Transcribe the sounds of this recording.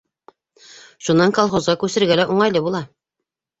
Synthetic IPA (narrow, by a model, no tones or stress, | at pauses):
ʃunːɑŋkolˠχozʁɑkʉsɘ̆ɾɡælæʔuɴɑjlˠɤbulˠɑ